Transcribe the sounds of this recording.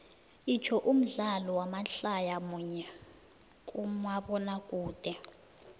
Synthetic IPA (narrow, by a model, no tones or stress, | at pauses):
it͡ʃʰɔʔum̩ɮalɔwamaɬajamuɲɛ | k̬ʼumaɓɔnak̬ʼuːd̥ʱʼɛ